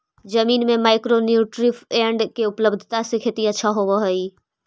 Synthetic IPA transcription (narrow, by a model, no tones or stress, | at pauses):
d͡ʒəmiːnmẽmaːɪkɾonjuːʈɾɪpʰẽːɳɖkeʊpləbd̪ʱt̪asekʰeːt̪iətːʃʰaɦoʋəɦəi